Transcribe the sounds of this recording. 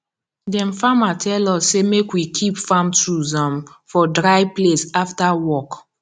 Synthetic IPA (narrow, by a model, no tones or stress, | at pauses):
dɛ̃nfamatʰɛlɔsːemekwikʰipfãmtɹuzɔ̃mfɔdɹajplesaftawɔk